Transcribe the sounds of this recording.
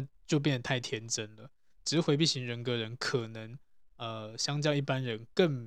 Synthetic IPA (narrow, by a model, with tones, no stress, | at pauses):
t͡ɕjo˥˧p̬jɛ˥˨˩nd̪ə˩t̪ʰa˥˩ɪt̪ʰjɛ˧˥nʈ͡ʂə˦˥nlə˨ | ʈ͡ʂɻ̩˧˥˩xwe˧ɪp̬i˥˩ɕi˧˦ŋɻə˧˦nkɤ˧˦ɻə˧˦nkʰə˨˩nə˧˦ŋə˧ɕjɑ˥ŋt͡ɕjɑ˥˧i˥˩pa˦nɻə˧˦nkə˥˩ŋ